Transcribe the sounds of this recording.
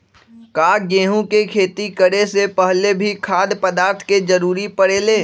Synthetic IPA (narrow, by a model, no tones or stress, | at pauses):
kaːɡeːɦũkekʰeːt̪ikəɽesepəɦlebʱikʰaːd̪pəd̪aːɾt̪ʰked͡ʒəɾuːɾipəɽeːleː